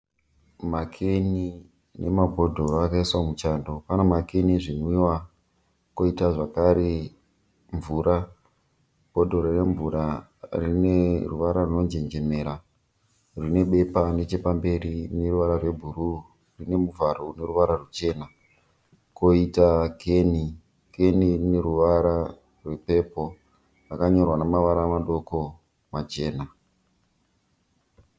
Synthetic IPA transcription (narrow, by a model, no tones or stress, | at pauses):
makʰeni | ne̞mabʱo̞dʱo̞ɾoakaiswamut͡ʃandopanomakeniʐinwiwa | ko̞itaʐakaɾe̞ | ɱvuːɾa | b̥ʱo̞dʱo̞ɾone̞ɱvuɾa | rineruʋaɾaruno̞nd͡ʒe̞nd͡ʒe̞me̞ːɾa | rine̞ɓe̞pane̞t͡ʃe̞pambe̞ɾine̞ruʋaɾarwe̞bʱuɾu | rine̞muvaɾo̞une̞ruʋaɾarut͡ʃe̞ːna | koitakʰe̞ni | ke̞nirine̞ɾuʋaɾa | rwe̞pe̞po̞ | rakaɲo̞rwanamaʋaɾamaɗo̞ko̞ | mat͡ʃe̞ːna